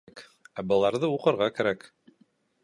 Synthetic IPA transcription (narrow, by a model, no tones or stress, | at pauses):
k | æbɤ̆lˠɑɾðɤuqɤ̆ɾʁɑkæɾæk